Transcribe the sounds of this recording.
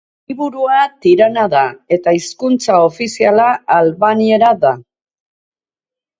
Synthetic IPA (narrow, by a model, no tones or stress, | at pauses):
iβuɾuat̪iɾanaðae̞t̪aiskunt͡sao̞fisialaːlβanie̞ɾaða